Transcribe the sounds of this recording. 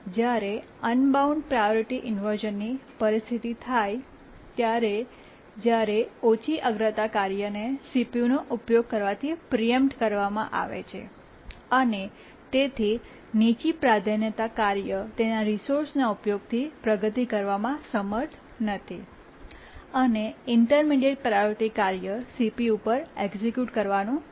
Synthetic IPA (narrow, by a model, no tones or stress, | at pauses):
d͡ʒjaɾe | ənbauɳɖpɾajoɾiʈiʔɪnʋəɾʒənːipəɾist̪ʰit̪it̪ʰaj | t̪jaɾe | d͡ʒjaɾeot͡ʃʰiʔəɡɾət̪akaɾjənesipjunoʔupjoɡ̚kəɾʋat̪ʰipɾijəmʈkəɾʋamã̰ʔa̰ʋḛt͡ʃʰḛ | əne | t̪et̪ʰi | nit͡ʃipɾad̪ʱənjət̪akaɾjət̪enaɾisoɾsnaupjoɡ̚t̪ʰipɾəɡət̪ikəɾʋamãsəməɾt̪ʰ | nət̪ʰi | əneɪɳʈəɾmiɖeʈ̚pɾajoɾʈikːaɾjəsipiupəɾeɡsikjuʈkəɾʋanũ